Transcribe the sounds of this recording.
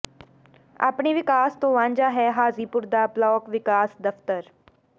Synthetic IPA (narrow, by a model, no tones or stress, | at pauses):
a̰pɳiʋɪkaːst̪õʋãːɲd͡ʒaɦɛːɦaːziːpʊɾd̪aːplɔːkʋɪkaːsd̪ɐft̪əɾ